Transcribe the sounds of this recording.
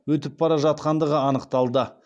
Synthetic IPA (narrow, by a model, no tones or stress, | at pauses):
wɵt̪̬ɪp̚bɑɾɑʒɑt̪̚qɑnd̪əʁəɑnəqt̪ɑlˠd̪ə